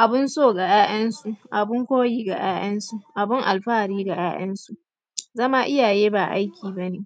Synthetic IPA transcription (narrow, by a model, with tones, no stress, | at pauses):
ʔa˨bɪ˦nsoː˦˨ɡa˨jaː˦jɐ˦nsu˦˨ʔʔa˨bɪ˦ŋkʷoː˦jiː˦ɡa̰˨j̰aː˦j̰ɐ˦nsu˦ʔa˨bɪ˦ŋʔa˨lɸaː˦˨ɽiː˦ɡa˨j̰a̰ː˦ʔɐ˦nsu˦ʔ | zɐ˦ma˦ʔɪ˦jaː˨jeː˦baː˨ʔa̰˦jkʲʰiː˨bɐ˦neː˨